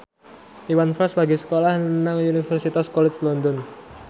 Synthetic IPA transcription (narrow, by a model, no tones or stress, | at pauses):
ʔiwanfaslaɡisə̥kolahnənaŋunifɛrsit̪askɔlɛt͡ʃlɔnd̪ɔn